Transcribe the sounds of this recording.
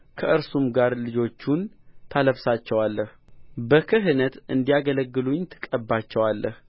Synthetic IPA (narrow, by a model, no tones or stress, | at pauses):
kʰəʔɨɾsumɡaɾlɨd͡ʒo̞t͡ʃːun | t̪ʰaləβsat͡ʃːɛwalːəh | bəkʰɨɦɨnət̪ɨnd̪ijaɡələɡːɨluɲt̪ʰɨ̥kʼəbːat͡ʃːɛwalːəh